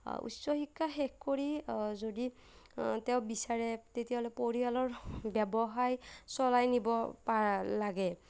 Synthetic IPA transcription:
ṵtsɔxikːaxɛkkoɹizodi | tɛwbisaɹɛtetiaɦɔlɔpoɹialɔɹbɛbɔɦajsɔlajnibɔpaɹalaɡɛ

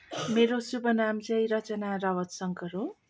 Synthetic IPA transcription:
meɾosupʌnamt͡sʌjɾʌt͡sʌnaɾʌwʌt̪sʌŋkʌɾo

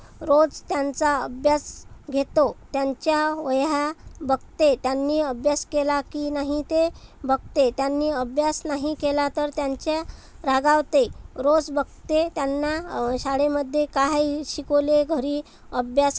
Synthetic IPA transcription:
ɾod͡zt̪jant͡saəbʱjasɡʱet̪ot̪jaɲt͡ɕjaʋəjabəɡ̚t̪et̪janːiːəbʱjaskelakiːnaɦit̪ebəɡ̚t̪et̪janːiːəbʱjasnaɦikelat̪əɾt̪jaɲt͡ɕjaɾaɡaʋt̪eɾod͡zbəɡt̪et̪janːaɕaɽeməd̪ʱːjekaɦaɕikoleɡʱəɾiː | əbʱjas

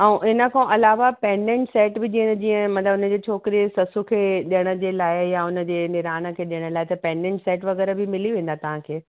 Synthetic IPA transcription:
ɛ̃ũʔɪnə̆kʰãʔɐlaːʋapẽːɳɖẽɳʈsɛːʈbɪd͡ʑĩːd͡ʑĩːə̃mɐ̃t̪ləbʊnəd͡ʑeːt͡ɕʰoːkɪɾiesɐsukʰeːɗijəɽ̃ə̆d͡ʑeːlaːɪjaʊnə̆d͡ʑeːnɪɾaːñə̆kʰeːɗɪjəɽ̃əlaːɪt̪ɐpɛ̃ːɳɖẽɳʈseːʈʋɐɣɛːɾəbʱɪmɪliʋẽːn̆d̪at̪ɐʋ̤ãkʰeː

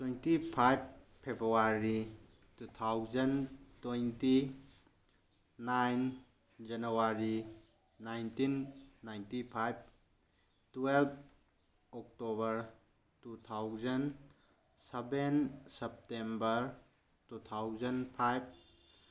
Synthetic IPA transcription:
twejntipʰajbpʰːebɾuaɾi | tut̪ʰawzɐntojnti | najn | d͡ʒɐnuwaɾi | najntinːajntipʰajb̚ | twelp̚ʰ | ɔk̚tobɐɾ | tutʰawzɐn | sebensɐp̚tembɐɾ | tut̪ʰawzɐnpʰajb̚

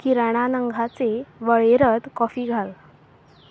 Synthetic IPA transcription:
kiɾaɽ̃anəŋɡʱat͡seʋəɭeɾəd̪kɔfiːɡʱal

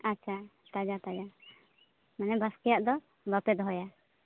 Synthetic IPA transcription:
atːt͡ʃʰat̪ad͡ʒat̪ad͡ʒa | manɛbaskɛjaʔd̪ɔ | bapɛd̪ɦɔja

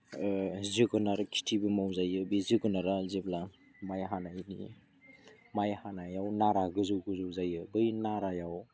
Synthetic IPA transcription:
zɯɡɯnaɾakʰi̥tʰibɯmawzajɯbizɯɡɯnaɾazebla | majɦanajnḭ | majhanajawnaɾaɡɯzɯwɡɯzɯwzajɯbɯjnaɾajaw

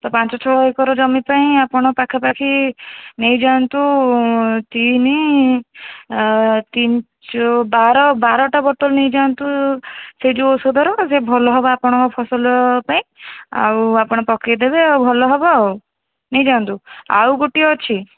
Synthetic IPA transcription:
t̪ɔpant͡ʃɔt͡ʃʰɔɔekɔɾɔd͡ʒɔmipaĩapɔɽ̃ɔpakʰapakʰinejd͡ʒãɔnt̪u | t̪ini | t̪in | t͡ʃɔbaɾɔbaɾɔʈabɔʈɔlnejd͡ʒaɔnt̪used͡ʒuosɔd̪ʱɔɾɔsebʱɔlɔɦɔbaːpɔɽ̃ɔ̃ŋkɔpʰɔsɔlɔpaĩa̰wapɔɽ̃ɔpɔkid̪ebeawbʱɔlɔɦɔbɔaw | nejd͡ʒaɔnt̪ua̰wɡoʈiɔːt͡ʃʰi

